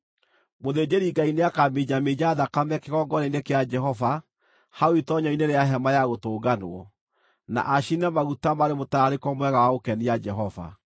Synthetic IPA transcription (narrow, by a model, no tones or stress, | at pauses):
moðeːd͡ʑeɾiɡaineakamed͡ʒamed͡ʒaaðakamɛkeɣɔɡɔɾenekead͡ʒɛhɔva | haoitɔɲɔineɾeaɦɛmajaɣotoːɡanoɔ | na̰ʔaʃinɛmaɣutamaɾemotaɾekɔmwɛɣawaokɛniad͡ʒɛɦɔva̰